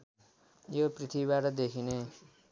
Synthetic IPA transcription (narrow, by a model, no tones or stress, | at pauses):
joprit̪ʰibibaʈʌd̪ekʰine